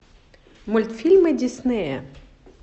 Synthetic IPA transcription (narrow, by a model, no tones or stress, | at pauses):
mʊlʲt̪fʲilʲmɪdʲisnɪjɛ